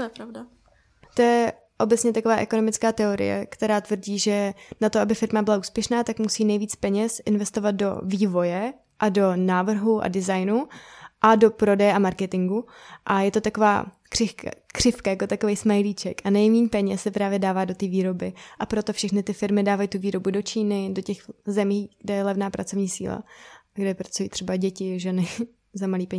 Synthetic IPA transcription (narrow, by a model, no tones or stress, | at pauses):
t̪ojɛpɾavda | t̪o̞jɛ | ʔo̞bɛt͡sɲɛt̪akovaːʔɛko̞no̞mɪt͡skaːt̪ɛo̞ɾɪ̰jɛ̰kt̪ɛɾaːt̪vr̩ɟiːʒɛnat̪oʔabɪfɪɾmabɪlaʔuːspjɛʃnaːt̪akmusiːnɛjviːt͡spɛɲɛsʔɪnvɛst̪o̞vad̪̚do̞̰viːvo̞jɛ | ʔado̞naːvr̩ɦuʔa̰dɪzajnuʔadopɾo̞dɛjɛʔamaɾkɛt̪ɪŋɡuʔajɛt̪ot̪ako̞va̰ː | kr̥ɪkr̥ɪfkajako̞t̪ako̞vejsmajliːt͡ʃɛkʔanɛjmiːɲpɛɲɛsːɛpɾaːvjɛdaːvaːdo̞t̪iːviːɾo̞bɪʔapɾo̞t̪o̞fʃɛxnɪt̪ɪfɪɾmɪdaːvajit̪uviːɾo̞budo̞t͡ʃiːnɪdo̞cɛxzɛmiːɡ̥dɛjɛlɛvnaːpɾa̰t͡so̞vɲiːsḭːla̰ɡdɛpɾat͡sujiːt̪r̥ɛbaɟɛcɪʒɛnɪ | zamaliːpɛɲ